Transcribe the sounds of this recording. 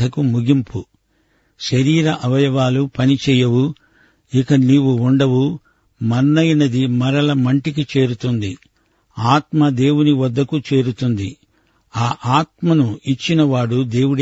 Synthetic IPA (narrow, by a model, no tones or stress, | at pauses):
ɐkumuɡimpu | ʃɐɾiːɾɐʔɐʋɐjɐʋaːlupɐnit͡ʃɛːjɐwu | ikɐniːwuuɳɖɐwu | mɐnːɐjɐnɐd̪imɐɾɐlɐmɐɳʈikit͡ʃe̞ːɾut̪und̪i | aːt̪mɐd̪e̞ːwuniʋɐd̪ːɐkut͡ʃe̞ːɾut̪und̪i | aːʔaːt̪mɐnuit͡ʃːinɐʋaːɽud̪e̞ːwuɽ